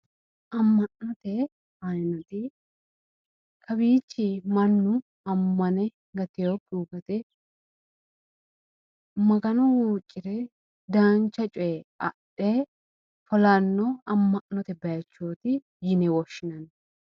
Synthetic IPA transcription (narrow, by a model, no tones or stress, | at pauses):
ʔɐmːɐnnɔt̪ɛ | ɐnnɔt̪ɪ | kʰɐbiːt͡ʃːimɐnːʊ | ɐmːɐnɛ | ɡɐt̪ɪjopʼːuːkɐt̪ɛ | mɐɡɐnɔwuːt͡ʃʼːɪɾɛ | d̪aːnt͡ʃːɐt͡ʃʼɔjɛɐ̰ɗɛ | fɔlanːɔɐmːɐʔnɔt̪ɛbɐjɐt͡ʃːoːt̪ɪ | jɪnɛwɔʃːɪnɐn